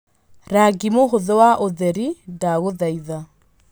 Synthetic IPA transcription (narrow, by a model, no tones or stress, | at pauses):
ɾaɡimoɣʊðɛwaʔoðɛɾidaɣoðaiða